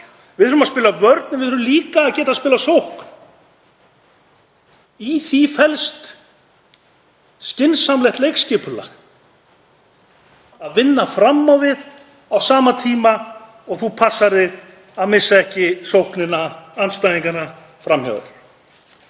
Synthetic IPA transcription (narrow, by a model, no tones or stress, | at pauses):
vɪðʏɾʏmaspɪːlavœɾt̪nɛvɪðœɾʏmliːkaːðcɛːt̪aðspɪːlasowhkn̥ | iθifɛlst̪ | scɪnsamlɛjht̪lejkscɪːpʏla̰x | aðvɪnːafɾamːawvɪð | awsaːmat̪ʰiːma | ɔɣθupʰasːaɾɪ | aðmɪsːaɛhcɪsowhknɪnːaanst̪ajðiŋkana | fɾamhœ̰ɣ